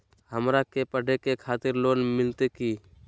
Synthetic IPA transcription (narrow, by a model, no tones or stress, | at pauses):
həmɾakepəɖʱekekʰaːt̪ɪɾloːnmɪlt̪eki